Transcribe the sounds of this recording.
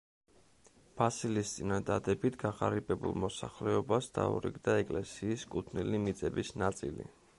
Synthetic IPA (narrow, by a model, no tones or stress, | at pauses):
b̥asilist̪sʼinad̪ad̪ɛbit̪ʰɡaʁaɾipʼɛbṵlˠmɔsaχlɛɔbasd̪a̰ṵɾḭɡd̪aɛkʼlɛsiːskʼut̪ʰnilimit̪sʼɛbisnat̪sʼilḭ